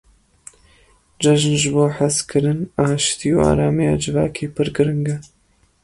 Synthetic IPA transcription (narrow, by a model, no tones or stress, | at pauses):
d͡ʒɐʒɨnʒɨboːħaskʰɨɾɨnaːʃt̪ʰiːua̰ːɾaːmija̰ːd͡ʒɨvaːkʰeːpʰɨɾɡɨɾɨŋɡɐ